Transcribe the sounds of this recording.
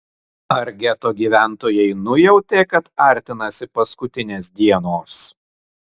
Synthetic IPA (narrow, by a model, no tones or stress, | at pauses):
ɐɾʲɡʲɛt̪oːɡʲiːʋʲæˑnˑt̪oːjɛɪnʊjɛʊt̪ʲeːkɐt̪ɐɾʲt̪ʲɪnɐsʲɪpɐskʊt̪ʲɪnʲeːsd̪ʲiɛnoːs